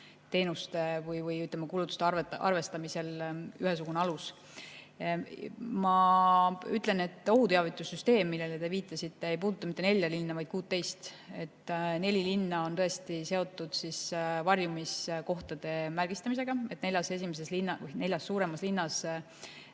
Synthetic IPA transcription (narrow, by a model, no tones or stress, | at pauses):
t̪e̞ːnust̪e̞vɯjvɯjyt̪lemɑkuːlut̪ːˑu̥st̪eɑʔɑ̰rve̞st̪ɑmise̞lyɦesuɡ̥uneɑlus | mɑ | yt̪ˑle̞ne̞t̪ːˑo̞ɦut̪e̞ɑvit̪ːˑusːyst̪e̞ːmːilːelet̪e̞viːt̪ːˑɑsit̪ːe̞ejp̬uːd̪ut̪ːˑɑmit̪ːe̞ne̞lʲjɑlinːɑvɑjd̪̥̚kuːt̪ːe̞jst̪ | e̞t̪ːne̞lʲilinːɑo̞nt̪ɤest̪ise̞o̞t̪ːˑud̪̥sisvɑrjumisko̞ht̪ɑd̪̥e̞mærɡ̥ist̪ɑmis̬e̞ɡ̥ɑe̞t̪ne̞lʲjɑse̞s̬ʲimes̬e̞slinːɑvjne̞lʲjɑsːuːɾe̞mɑslinːɑs